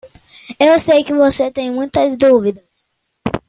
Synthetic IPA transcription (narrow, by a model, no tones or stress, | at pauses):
ewsejkɪvoset̪ẽj̃mũj̃t̪ɐzd̪uvid̪ɐs